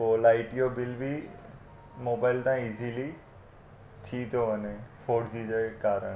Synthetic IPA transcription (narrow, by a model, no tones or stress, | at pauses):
oːlaːɪʈjobɪlbʱi | moːbaːɪlt̪ãiːzili | t̪ʰit̪ʰjoɐnefoːɖd͡ʑ̪id͡ʑakaːɾəɳ̃